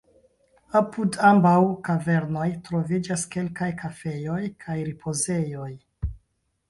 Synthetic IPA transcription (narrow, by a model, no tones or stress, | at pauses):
apudambawkave̞ɾno̞jtɾo̞vid͡ʒaske̞lkajkʰafe̞jo̞jkʰajɾipʰo̞ze̞jo̞j